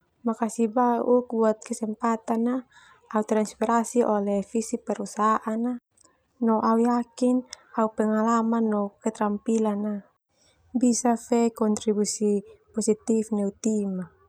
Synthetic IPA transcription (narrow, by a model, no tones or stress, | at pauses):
makasibaʔuk̚buat̪̚kɛsɛmpat̪ana | aut̪ɾanspɛɾasiʔɔlɛfisipɛɾusaʔana | nɔʔaujakin | aupɛŋalamanːɔkɛt̪ɾampilana | bisafɛkɔnt̪ɾibusipɔsit̪ifnɛut̪ima